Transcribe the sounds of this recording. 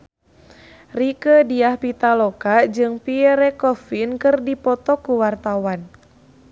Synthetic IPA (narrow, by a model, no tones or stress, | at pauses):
rikədiahpit̪alɔkad͡ʒɨŋpiɾɛkɔfinkɨrdipɔt̪ɔkuwart̪awan